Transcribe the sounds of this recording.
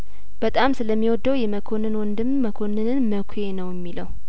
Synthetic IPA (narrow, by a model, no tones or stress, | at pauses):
b̥ət̪ʼamsɨləmːiwɔd̪ːəwjɛməkʰonɨnwɔnd̪ɨmːəkʰo̞nɨnɨnməkʷʰje̞nəwjɪmːiləw